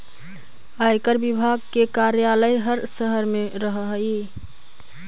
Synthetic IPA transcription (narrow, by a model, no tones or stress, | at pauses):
ajkəɾbibʱaɡ̚kekaɾjaləjɦəɾsəɦəɾmeɾəɦəɦi